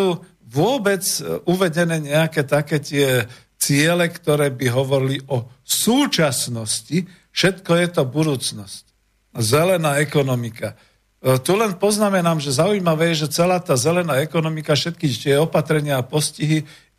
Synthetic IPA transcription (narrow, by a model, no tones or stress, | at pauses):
uː | ʋʊɔbɛd͡zuʋɛɟɛnɛːɲɛakɛːt̪akɛːt̪ɪɛ | t͡sɪɛlɛkt̪ɔɾɛːbiɦɔʋɔɾiliɔsuːt͡ʃasnɔsci | fʃɛt̪kɔjɛt̪ɔbud̪uːt͡snɔsc | zɛlɛnaːɛkɔnɔmika | t̪ulɛnpɔznamɛnaːmʒɛzaujimaʋɛːjɛʒɛt͡sɛlaːt̪aːzɛlɛnaːɛkɔnɔmikafʃɛt̪kiːt̪ɪɛɔpat̪ɾɛɲɪaːpɔsciɦi